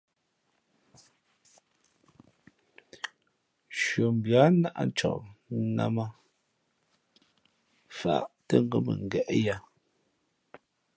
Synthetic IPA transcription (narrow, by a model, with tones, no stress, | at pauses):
ʃɥo˨m˨bja˨˦na˦ʔa̰˨t͡ʃɔ̰˨ʔna̰˦ma˦ | fa̰˦˨ʔtə˦˨ŋ˦ɡə˨mə̰˨ŋ˨ɡɛ˨ʔja˦˨